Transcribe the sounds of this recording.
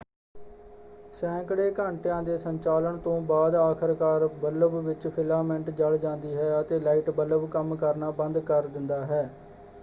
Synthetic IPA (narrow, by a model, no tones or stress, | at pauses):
sɛ̃ːkəɽeːkãːɳʈjãːd̪eːsəɲt͡ʃaːləɳt̪õːbaːd̪aːkʰəɾkaːɾbələbʋɪt͡ʃpʰɪlaːmɛɳʈd͡ʒəɽd͡ʒãːnd̪iːɦɛːət̪eːlaːiːʈbələbkəmkəɾnaːbə̃nd̪kəɾd̪ɪnd̪aːɦɛː